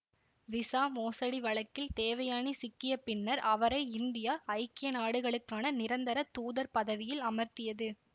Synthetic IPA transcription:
ʋɪsaːmoːsɐɽiʋɐɭɐkːɪlt̪eːʋɐjaːnisɪkːɪjɐpːɪnːɐɾʔɐʋɐɾɐɪɪnd̪ɪjaːɐɪkːɪjɐnaːɽɯɣɐɭɯkːaːnɐnɪɾɐnd̪ɐɾɐt̪uːðɐɾpɐðɐʋɪjɪlɐmɐɾt̪ɪjɐðɯ

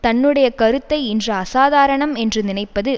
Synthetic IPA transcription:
t̪ɐnːɯɽɐjɐkɐɾɯt̪ːɐɪɪndrɐɐsaːðaːɾɐɳɐmɛndrɯnɪnɐɪpːɐðɯ

